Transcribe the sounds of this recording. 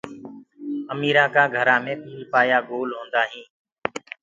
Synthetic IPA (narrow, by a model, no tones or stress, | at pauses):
əmiːɾãːkãːɡʱəɾãːmẽːp̪iːiːpaːjaːɡoːlɦõːnd̪aːɦĩː